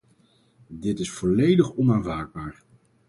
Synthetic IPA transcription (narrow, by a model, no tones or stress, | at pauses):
dɪtɪsfɔlejdəχɔnaːnvaːɹd̚baːɹ